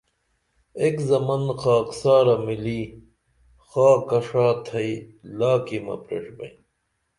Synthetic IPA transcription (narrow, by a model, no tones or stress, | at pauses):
ekzɐmɐnxaːksaːɾɐmili | xaːkɐʂaːt̪ʰɐilaːkimɐ̰pɾḛʂbɐ̰i